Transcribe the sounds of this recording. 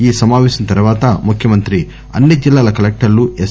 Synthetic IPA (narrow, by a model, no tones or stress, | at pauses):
iːsɐmaːʋɛːɕɐnt̪ɐɾuʋaːt̪ɐmukʰjɐmɐnt̪ɾi | ɐ̰nːid͡ʒilːaːlɐkɐlek̚ʈɐɾlue